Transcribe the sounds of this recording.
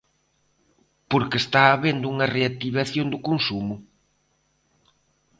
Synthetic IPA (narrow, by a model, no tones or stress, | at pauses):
poɾkest̪aːβend̪ʊuŋɐreat̪iβ̞aθjond̪ʊkonsumʊ